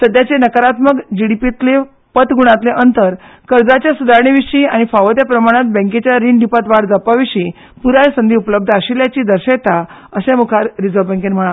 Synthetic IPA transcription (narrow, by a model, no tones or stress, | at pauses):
səd̪jat͡ɕenəkəɾat̪məkd͡ʑiɽipit̪le | pət̪ɡuɽ̃at̪leʔənt̪əɾkəɾd͡zat͡ɕjasud̪ʱaɾɳiʋiɕiaɽ̃ifaʋəd̪japɾəmaɽ̃at̪̚bɛ̃ŋket͡ɕjaɾiɳɖʱipat̪ʋaɽd͡zapaʋiɕi | puɾajsənd̪iupləb̚d̪ʱaɕiljat͡ɕiːd̪əɾɕə̃t̪a | əsẽmukʰaɾɾid͡zəʋbɛ̃ŋkenm̤əɭa